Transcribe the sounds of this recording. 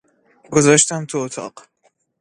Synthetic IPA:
ɡozɒːʃt̪æmt̪ʰuot̪ʰɒ̰ːɢ̥

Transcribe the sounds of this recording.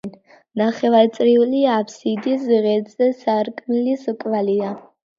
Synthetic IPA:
n | naχɛvaɾt̪sʼɾiuliapʰsid̪isʁɛd̪zɛsaɾkʼmiliskʼvalia

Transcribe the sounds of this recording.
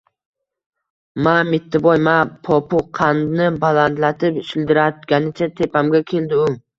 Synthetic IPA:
mamɪt̪ʰːɪbɒjmapʰɒpʰʊqʰannɪbalant̪lat̪ʰɪpʃɪld̪ɪɾat̪̚ɡʲanɪt͡ʃʰat̪ʰe̞pʰamɡʲakʲʰe̞ld̪ɪʊ

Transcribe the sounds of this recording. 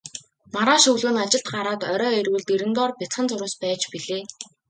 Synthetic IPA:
maɾaːʃɵɣɮuːnat͡ɕɪ̆ɬt̪ɢaɾaːt̪œɾɔːirwɘ̆ɮt̪eɾɘ̆nt̪ɔːrpʲɪt͡sχə̆nt͡sʊɾʊːspæːt͡ɕpiɮeː

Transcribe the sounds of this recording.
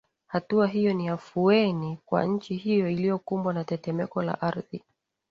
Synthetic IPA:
hatuaɦijɔniafuɛnikwa̰ɲ̩t͡ʃihijɔilijɔkumbwanatɛtɛmɛkɔla̰ʔaɾði

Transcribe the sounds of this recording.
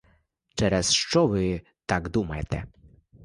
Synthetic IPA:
t͡ʂɛɾɛsʂt͡ʂɔvɪ | t̪aɡd̪umajt̪ɛ̰

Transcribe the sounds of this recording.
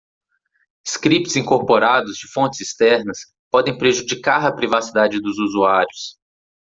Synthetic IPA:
ɪskɾipt͡ʃɪz̥ĩŋkoɾpoɾad̪ʊzd͡ʒɪfõnt͡ʃɪz̥ɪst̪ɛɾnɐs | pɔd̪ẽj̃pɾeʒud͡ʒikaɾɐpɾivasid̪ad͡ʒɪd̪ʊzuzuaɾjʊs

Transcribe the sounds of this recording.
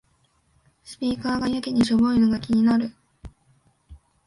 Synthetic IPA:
sɨ̥pʲiːkaːɡajɯkʲeɲ̟iɕoboinoɡakʲiɲ̟inaɾɯ̟

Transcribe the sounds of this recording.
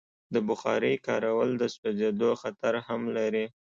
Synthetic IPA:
d̪əbʊxɑ̰ɾəjkɑɾawəld̪əspazed̪oxat̪aɾhamlaɾi

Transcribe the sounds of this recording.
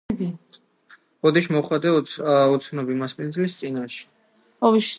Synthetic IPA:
d̪i | bɔd̪iʃmɔχwad̪ɛut̪sʰnɔbimaspʼinzlist̪sʼinaʃɛ̥ | ɔviʃ

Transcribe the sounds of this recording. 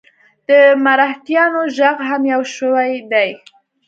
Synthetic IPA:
d̪̥əmaɾaht̪jɑnoʒaɣɦamjawʃəwajd̪aj

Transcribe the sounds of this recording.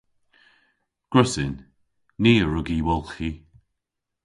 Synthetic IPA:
ɡ̥ɹʊsɪnː | iːəɹʊɡiwɔlˠxi

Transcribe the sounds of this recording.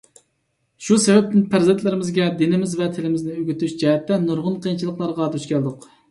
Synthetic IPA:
ʃusɛvɛp̚t̪ɪnpʰæɾzɛnt̪ʰlɪɾɪmɪzɡʲɛd̪ɪnɪmɪzvɛt̪ʰɪlɪmɪznɪøɡʲyt̪yʃd͡ʒɛɦɛt̪ːɛnuɾʁʊnqʰəjint͡ʃʰilˠəqlˠɑɾʁɑd̪yʃkʲʰɛld̪ʊq

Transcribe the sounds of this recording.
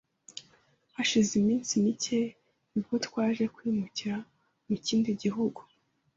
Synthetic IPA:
haʃizimiːnsimice̞ | nibɡotwaːʒe̞kwiːmuciɾa | muciːndiɟiɦuɡu

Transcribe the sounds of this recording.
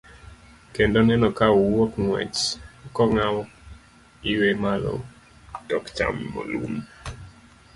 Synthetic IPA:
kendonɛnɔkawokŋwɛ̰t͡ʃkɔŋawɔ | iwemalo̰ | d̥ɔkt͡ʃa̰mːo̰lṵm

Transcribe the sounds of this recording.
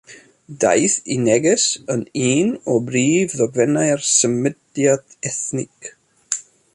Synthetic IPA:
d̪a̰jθinɛɡɛsəniːnɔbɾiːvðɔɡvɛnajɹsəmɪdjat̪ɛθnɪk

